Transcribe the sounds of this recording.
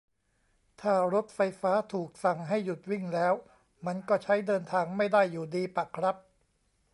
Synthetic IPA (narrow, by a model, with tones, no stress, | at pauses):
t̪ʰaː˥˩ɾo˦˥t̪̚fa˧jfaː˦˥t̪ʰuː˨˩k̚sa˨˩ŋɦa˥˩jːu˨˩t̪̚wi˥˩ŋlɛː˦˥w | ma˧nkɔː˥˩t͡ɕʰa˦˥jdɤː˧nt̪ʰaː˧ŋma˥˩jda˥˩jːuː˨˩diː˧pa˨˩kʰɾa˦˥p̚